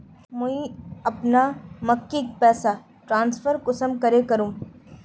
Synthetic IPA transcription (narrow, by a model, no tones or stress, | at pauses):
mʊĩɐpnamɐkːik̚pɛːsa | ʈɾãːnsfʰəɾkʊsəmkɐɾekɐɾũː